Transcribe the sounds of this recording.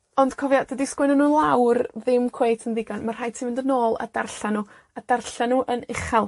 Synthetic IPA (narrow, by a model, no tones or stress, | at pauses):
ɔnd̥kʰɔvjad̥ədiskwɪnɔnːuːnlˠawrðɪmkʰwejtʰənðɪɡɔnmar̥aːjtʰiːmɪndənoːlˠa̰darɬanuː | adarɬanuːʔənɪχalˠ